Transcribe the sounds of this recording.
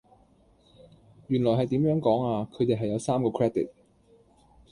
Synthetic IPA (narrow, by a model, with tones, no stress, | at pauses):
jyː˨˩nlɔː˨˩ɦɐ˨jt̪iː˨˥mjœː˨˥ŋkɔː˨˥ŋaː˧kʰɵ˨˧t̪e˨jɦɐ˨jɐ˨˧wsaː˥mkɔː˧kʰɹɛː˥d̪ḭ˨˩t̚